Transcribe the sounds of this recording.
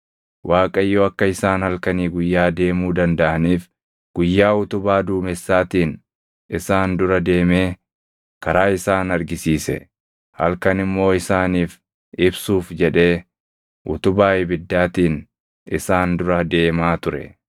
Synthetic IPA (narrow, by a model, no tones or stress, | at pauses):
wʔaːkʼɐjːoːɐkːɐɪsaːnhɐlkɐniːɡʊjːaːd̪e̞ːmuːd̪ɐnd̪ɐʔɐniːf | ɡ̥ʊjːaːʊt̪ʊbaːd̪uːmɛsːaːt̪iːn | ɪsaːnd̪ʊɾɐd̪e̞ːmeː | kɐɾaːɪsaːnɐɾɡɪsiːsɛ̰ | hɐ̰lkɐnɪmːo̞ːɪsaːniːf | ɪbsuːfd͡ʒɛᶑe̞ː | ʔʊ̰t̪ʊbaːɪbɪd̪ːaːt̪iːn | ʔɪsaːnd̪ʊɾɐd̪e̞ːmaːt̪ʊɾɛ̰